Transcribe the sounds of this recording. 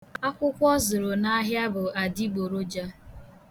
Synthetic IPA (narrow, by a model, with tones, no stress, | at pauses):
a˦kʷʊ˦kʷɔ˦zʊ˨ɾo˨na˦ɦja˦bʊ˨a˨di˦ɡ͡bo˨ɾo˦d͡ʒa˦